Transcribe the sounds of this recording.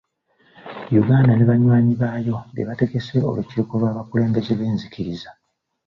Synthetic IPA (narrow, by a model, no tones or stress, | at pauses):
juɡaːndaneβaɲwaːɲiβaːjo̞dḛβate̞ɡe̞se̞o̞̰luciɾikolwaːβakule̞ːmbe̞ze̞βeːnziciɾiza